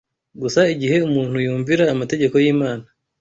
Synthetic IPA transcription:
ɡusaiɟihe̞umuːn̥hujuːɱviɾaːmate̞ɟe̞ko̞jiːmaːna

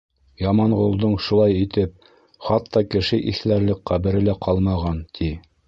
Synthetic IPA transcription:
jɑmɑɴʁulˠd̪ɤɴʃulˠɑjit̪ɘp̚ | χɑt̪ːɑkɘ̆ʃɘʔiθlæɾlɘk̚qæβɘ̆ɾɘ̆læqʰɑlˠmɑʁɑnt̪ʰi

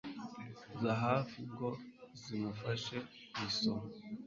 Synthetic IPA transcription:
zaɦafiŋɡozimufaʃe | isom

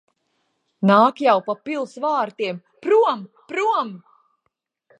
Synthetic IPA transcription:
naːkjawpapilˠd̪svaːɾt̪iɛm | pɾuɔm | pɾuɔm

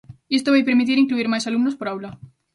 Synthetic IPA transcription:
est̪oβajpeɾmit̪̬iɾiŋkluiɾmajsalumnospo̞ɾawla

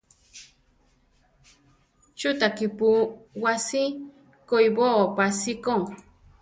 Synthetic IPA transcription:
t͡ʃut̪akipuwasi | kojboopasikoŋ

